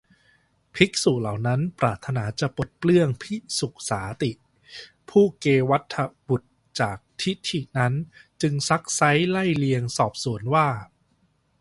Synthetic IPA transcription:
pʰi˦˥k̚su˨˩la˨˩wna˦˥npɾaː˨˩t̪ʰːa˧naː˩˦t͡ɕa˨˩po˨˩t̪̚plɯ˥˩əŋpʰi˦˥su˨˩k̚saː˩˦t̪i˨˩ | pʰuː˥˩keː˧wa˦˥t̪ʰːa˧bu˨˩t̪̚ | t͡ɕaː˨˩k̚t̪ʰi˦˥t̪ʰi˨˩na˦˥nt͡ɕɯ˧ŋsa˦˥k̚sa˦˥jla˥˩jli˧əŋsɔː˨˩p̚su˩˦ənwaː˥˩

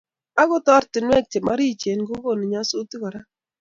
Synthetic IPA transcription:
a˦ɡʊ˦tɔ˦ɾtɪ˨nwɛ˦k̚t͡ʃe˨ma˦ɾi˦˨t͡ʃe˨nɡʊ˦ɡo˦˨ni˨ɲa˦su˦ti˦kɔ˨ɾa˦

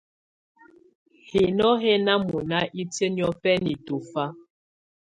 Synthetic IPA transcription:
he˨nɔ˦he˦na˦mu˨na˦ʔi˦tə˦njɔ˦pɛ˦ni˨to˨fa˦

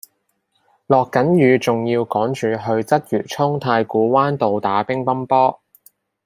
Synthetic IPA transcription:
lɔː˨kːɐ˨˥njyː˨˧t͡sʊ˨ŋjiː˧wkɔː˨˥ŋt͡ʃyː˨ɦɵ˧ɥt͡sɐ˥t̚jyː˨˩t͡sʰʊ˥ŋt̪ʰaː˧jkuː˨˥waː˥nt̪o˨wt̪aː˨˥pɪ˥ŋpɐ˥mpɔː˥

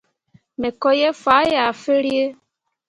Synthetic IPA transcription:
me˨kɔ˦je˦fa˨˦ja˨fe˦ɾje˦

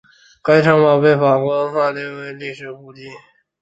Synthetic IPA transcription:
ka˥ɪʈ͡ʂʰɑ˥ŋmɑ˨˩ʊpe˥˩ɪfa˨˩kɔ˥fa˥˧ljɛ˥˩we˧˥˧ɪli˥˩ʂɻ̩˨˩xu˥˧t͡ɕi˥˩

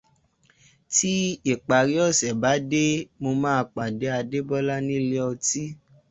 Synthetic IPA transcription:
ti˦i˨k͡pa˨ɾi˨˦ɔ˦˨sɛ˨ba˨˦de˦mo˧mãː˦˧k͡pa˨de˨˦a˧de˦bɔ˦la˦nĩ˦˨le˦ɔ˧ti˦

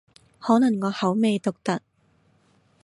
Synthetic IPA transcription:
hɔː˨˥nɐ˨˩ŋːɔː˨˧hɐ˨˥wme˨˧jt̪ʊ˨k̚t̪ɐ˨k̚

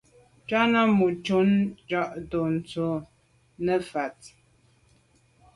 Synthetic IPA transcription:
t͡ʃa˦na˦mu˨t͡ʃu˦nd͡ʒɔ˦˨ʔto˨n̩˨t͡so˦ | nə˦fa˨t̚

